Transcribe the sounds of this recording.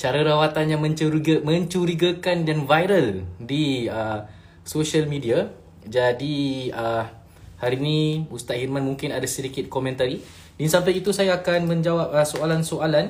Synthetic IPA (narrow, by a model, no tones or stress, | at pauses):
t͡ʃaɾaɾawat̪anjamə̃ɲɾɡmə̃ɲt͡ʃuɾiɡakandanvajɾəldiə | soʃalmĩdia | d͡ʒadiə | haɾiniust̪aʔhirmãnmũŋkɪnadasədikɪt̪̚komɛ̃nt̪aɾi | dinsampajit̪usajaːkanmə̃ɲd͡ʒawap̚əsoalansoʔalan